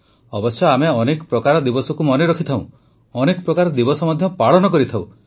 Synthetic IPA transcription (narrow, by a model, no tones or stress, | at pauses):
ɔbɔsjɔameɔnekɔ̥pɾɔkaɾɔd̪ibɔsɔkumɔneɾɔkʰit̪ʰaw̃ | ɔnekɔpɾɔkaɾɔd̪ibɔsɔmɔd̪ʱjɔpaɭɔnɔkɔɾit̪ʰaw̃